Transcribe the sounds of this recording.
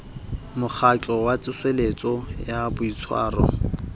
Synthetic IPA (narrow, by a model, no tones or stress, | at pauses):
mʊk͡xʰat͡ɬʼɔwat͡sʼɪswelet͡sʼɔjabʊit͡sʰwa̰ːrɔ̰